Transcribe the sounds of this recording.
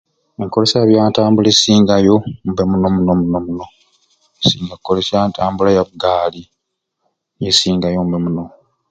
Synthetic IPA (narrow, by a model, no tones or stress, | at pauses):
e̞ŋko̞le̞saːβjaːntaːmbulesiːŋɡajo̞m̩bemunomuno̞munomuno̞ | esiːŋɡakkːolesjantʰaːmbulajaβuɡaːli | jesiːŋɡajombemuno